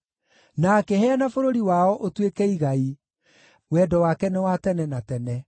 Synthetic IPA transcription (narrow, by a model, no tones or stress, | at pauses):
nakɛhɛanafoɾoɾiwaɔʔotwekɛiɣai | wɛdɔwakɛnɛwatɛnɛnatɛnɛ